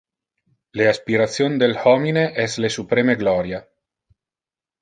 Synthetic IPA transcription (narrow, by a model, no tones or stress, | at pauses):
leaspiɾat̪sjond̪elhɔmineʔɛslesupɾemeɡlɔɾja